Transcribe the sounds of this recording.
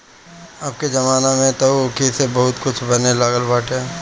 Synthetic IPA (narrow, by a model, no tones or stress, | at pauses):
aːp̚ked͡ʒɐmaːnamẽt̪okisebɐɦʊt̪kʊt͡ʃʰbɐnelaːɡəlbaːʈẽ